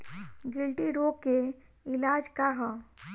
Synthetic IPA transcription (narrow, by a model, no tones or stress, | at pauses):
ɡɪlʈiɾoke | ɪlaːd͡ʒkaɦɔ̃